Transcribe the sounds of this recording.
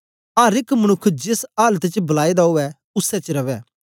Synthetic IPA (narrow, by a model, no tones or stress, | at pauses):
aːɾɪkmənʊkʰːd͡ʒɪsaːlət̪t͡ʃbɐlaːid̪aɦoːɛ | ʊsɛt͡ʃɾɐʋɛː